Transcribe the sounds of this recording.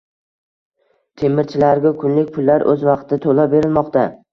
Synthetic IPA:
t̪ʰe̞mɪɾt͡ʃʰɪlaɾɡʲakʲʰʊnlɪk̚ʲpʰʊlˠːaɾʔɵ̰zvɑqt̪ʰɪt̪ʰolabe̞ɾɪlmɒqt̪ʰa

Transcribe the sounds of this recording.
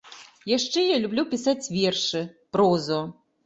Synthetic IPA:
jaʂt͡ʂɛjalʲublʲupʲisat͡sʲvʲerʂɨpɾɔzɔ

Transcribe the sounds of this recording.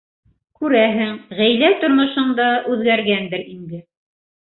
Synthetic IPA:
kʉɾæɦɘŋʁæjlæt̪ŏɾmŏʃɤ̆ɴd̪ɑʔʉðɡæɾɡænd̪ɘɾind̪ɘ

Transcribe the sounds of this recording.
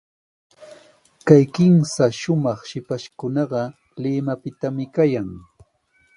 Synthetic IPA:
kajkɪmsaʃʊmɑχʃɪpaʃkʊnɑɢɑ | lɪmapɪt̪amɪkajaŋ

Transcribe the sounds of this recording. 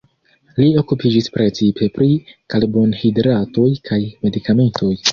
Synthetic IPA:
lio̞kupid͡ʒispɾe̞t͡sipʰe̞pɾikalbo̞nhidɾato̞jkʰajme̞dikame̞nto̞j

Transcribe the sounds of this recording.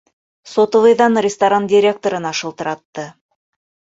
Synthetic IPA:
sot̪ovɤjðɑnrʲɪst̪aɾandʲɪɾʲe̞k̚t̪oɾɤnɑʃɤ̆lˠt̪ɤ̆ɾɑt̪ːɤ

